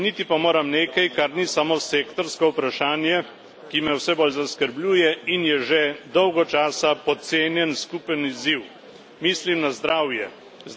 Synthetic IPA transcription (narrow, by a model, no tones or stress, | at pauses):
nit̪ipamoːɾamneːkajkaɾnisamoseːkt̪ɔɾskɔupɾaʃaːnjɛ | kimɛwsɛboːlzaskəɾblʲuːjɛinjɛʒed̪ɔwɡɔt͡ʃaːsapɔt̪seːnjɛnskuːpəniziw | miːslimnazd̪ɾaːwjɛ | z